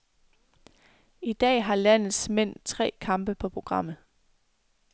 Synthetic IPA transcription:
id̥ɛ̰ːɦɑ̈læn̰ð̩ˠsmen̰t͡sʰʁɛ̰ːkʰɑ̈mb̥əpʰɒ̽pʰʁo̝ɡ̥ʁɑ̈m̰ð̩ˠ

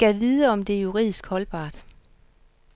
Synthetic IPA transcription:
ɡ̥æʋiðˠəɒ̽md̥e̝juʁḭð̰ˠisɡ̥hɒ̽lb̥ɑ̰̈ːd̥

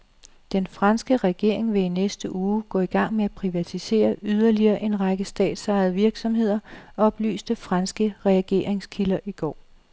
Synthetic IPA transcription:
d̥enfʁɑnsɡ̥əʁɛɡ̥e̝ɐ̰eŋʋe̝inesd̥əʔuːɡ̥ɔ̰̽ːiɡ̥ɑ̈ŋ̰meæpʰʁiʋæt͡sʰise̝̰ːɐyð̞ˠɐliɐːʔe̝nʁɑ̈ɡ̥əsd̥ɛ̰ːd̥sɑ̈ɪðˠʋiɐɡ̥sɒ̽mɦe̝ð̰ˠɐɒ̽ɒ̽b̥ly̰ːsd̥əfʁɑnsɡ̥əʁɛɡ̥e̝̰ːɐeŋskʰilɐʔiɡ̥ɒ̰ː

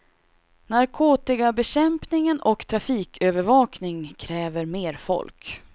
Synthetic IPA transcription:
naɾkʰoːt̪ɪɡabɛɕɛmpnɪŋənɔkt̪ʰɾafiːkʰøːvəɾvɑːknɪŋkʰɾɛːvəɾmeːɾfɔ̰lk

